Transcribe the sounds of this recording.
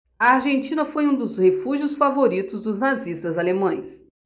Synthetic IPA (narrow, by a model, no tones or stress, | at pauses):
ɐaɾʒẽnt͡ʃĩnɐfojũd̪ʊzhefuʒiʊsfavoɾit̪ʊzd̪ʊznazist̪ɐzalemɐ̃j̃s